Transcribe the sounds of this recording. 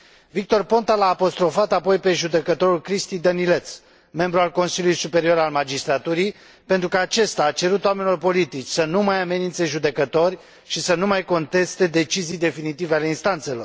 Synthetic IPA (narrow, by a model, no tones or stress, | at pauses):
vik̚t̪o̞rpo̞nt̪alaːpo̞st̪ɾo̞fat̪apo̞jpe̞ʒud̪e̞kət̪o̞ɾulkɾist̪ijd̪ənile̞t̪s | me̞mbɾualko̞nsiljulujsupe̞ɾio̞ɾalmad͡ʒist̪ɾat̪uɾij | pe̞nt̪ɾukəat͡ʃe̞st̪aːt͡ʃe̞ɾut̪oamenilo̞rpo̞lit̪it͡ʃʲsənumajame̞nint̪se̞ʒud̪e̞kət̪o̞rʲ | ʃisənumajko̞nt̪e̞st̪e̞d̪e̞t͡ʃizijd̪e̞finit̪iveale̞inst̪ant̪se̞lor